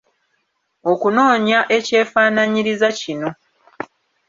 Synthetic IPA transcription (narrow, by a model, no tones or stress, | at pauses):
o̞kuno̞ːɲaʔe̞ce̞ːfaːnaɲiɾizacino̞